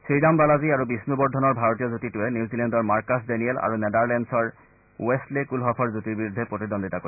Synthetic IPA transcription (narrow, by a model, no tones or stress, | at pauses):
sɹidambalaziaɹubisnubɔɹd̪ʱɔnɔɹbʱaɹotijɔzotituɛniuzilɛndɔɹmaɹkasdɛniɛla̰ɹunɛd̪aɹlɛnsɔɹ̰ | westlekulɦɔpʰɔɹzutiɹbiɹud̪ʱːepɹot̪id̪ɔnd̪itako